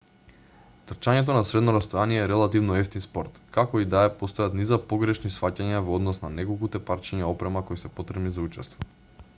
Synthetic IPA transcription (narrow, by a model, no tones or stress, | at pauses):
t̪r̩t͡ʃaɲɛt̪̬onasɾɛd̪nɔɾast̪ojaniɛːɾɛlˠat̪ivnɔɛft̪inspɔɾt̪kakɔid̪aɛpost̪ojat̪nizapoɡɾɛʃnisfacaɲavɔd̪nɔsnanɛkolˠkut̪ɛpaɾt͡ʃiɲaɔpɾɛmakojsɛpot̪ɾɛmnizaut͡ʃɛst̪vɔ